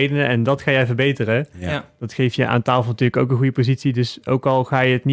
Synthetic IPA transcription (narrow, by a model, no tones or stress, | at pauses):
jdənəɛndɑtχaːjɛjvərɹbejtərədɑtxejftjəʔa̰ːntaːlˠfəlˠnətyːləko̰wkənɣujəpozitsidɵso̰wkɑlˠχaːjəətn